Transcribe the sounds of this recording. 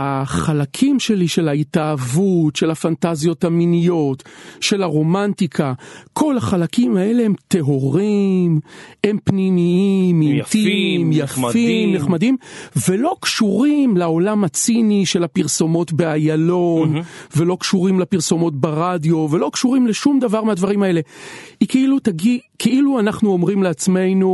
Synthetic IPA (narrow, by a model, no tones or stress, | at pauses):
aχalakʰimʃe̞liʃe̞laitaːvutʃe̞lhafantazjo̞thaminijo̞tʃe̞laʁo̞mantikʰakʰo̞laχalakimae̞le̞hemt̪e̞ɦo̞ʁime̞mpnimiimimt̪imjafimneχmadimvelo̞kʃuʁimlao̞lamat͡siniʃe̞lapiʁso̞mo̞tbeajalo̞nve̞lo̞kʃuʁimlapiʁso̞mo̞t̪̬̚beʁadjo̞ve̞lo̞kʃuʁimleʃumd̪avaʁmead̪vaʁimae̞le̞ikeilut̪aɡikʰeʔiluanaχnuo̞mʁimleat͡sme̞jnu